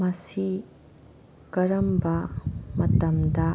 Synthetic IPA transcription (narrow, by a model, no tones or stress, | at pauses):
mɐsi | kɐɾɐmbɐmɐtɐmdɐ